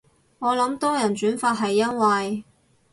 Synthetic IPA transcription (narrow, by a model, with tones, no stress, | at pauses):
ŋɔː˨˧lɐ˨˥mt̪ɔː˥jɐ˨˩nt͡ʃyː˨˥nfaː˧t̚ɦɐ˨jːɐ˥nwɐ˨j